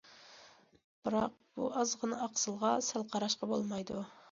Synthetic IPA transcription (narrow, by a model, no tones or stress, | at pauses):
b̥ɨɾɑq̚b̥ṵɑzʁənɨɑqsɨlˠʁɑsælˠqʰɑɾɑʃqɑbolˠmɑjd̪u